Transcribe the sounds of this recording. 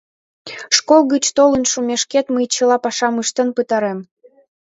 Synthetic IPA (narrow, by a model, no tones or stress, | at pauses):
ʃkolˠɣət͡ɕt̪olənʃumeʃket̪məjt͡ɕə̆lɑpɑʃɑmɯʃt̪ənpɨt̪ɑɾem